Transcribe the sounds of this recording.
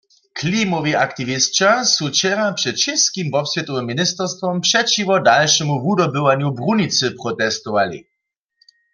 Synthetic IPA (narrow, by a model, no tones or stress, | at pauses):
kʰlimɔviakt̪ivist͡ʃasut͡ʃɛʁapʂɛt̪ʃɛskimvɔpsvjɛt̪ɔvɛmːinist̪ɛʁst̪vɔmpʂɛt͡ʃivɔdalʃɛmuvudɔbɪvaɲjubʁunit͡sɨpʁɔt̪ɛst̪ɔvalḭ